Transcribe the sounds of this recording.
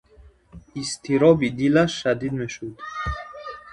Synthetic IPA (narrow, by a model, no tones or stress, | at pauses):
ist̪ʰiɾɔbid̪ilaʃːad̪id̪meʃud̪